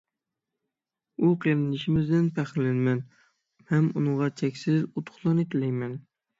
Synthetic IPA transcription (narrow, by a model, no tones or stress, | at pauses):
uqʰeɾɪnɪʃɪmɪzd̪ɪnpʰæχlɪnmɛn | hɛmunɨŋʁɑt͡ʃʰɛkʲsɪzut̪ʰʊ̥χlˠɑnet̪ʰɪlɛjmɛn